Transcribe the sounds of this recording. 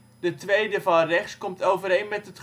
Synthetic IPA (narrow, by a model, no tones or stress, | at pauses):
d̥ətʋejdəvɑnrɛχskɔmtowvəɾɦejnmɛtɦətχ